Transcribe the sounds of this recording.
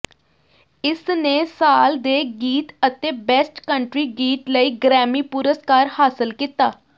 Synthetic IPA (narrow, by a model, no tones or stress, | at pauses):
ɪsneːsaːld̪eːɡiːt̪ət̪eːbɛsʈkəɳʈɾiːɡiːt̪ləiːɡɾɛːmiːpʊɾəskaːɾhaːsəlkiːt̪aː